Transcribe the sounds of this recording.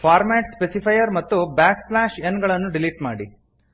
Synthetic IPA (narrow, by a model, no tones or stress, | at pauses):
pʰaːɾmeːʈspesipʰɐjɐɾmɐt̪ːubaːkslaːʃenɡɐɭɐnːuɖiliʈmaːɽi